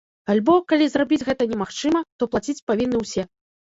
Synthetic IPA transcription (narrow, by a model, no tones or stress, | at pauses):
alʲbɔkalʲizrabʲid͡zʲɣɛt̪ɐnʲɛmaxt͡ʂɨmɐt̪ɔplˠat͡sʲit͡sʲpavʲinːɨwsʲɛ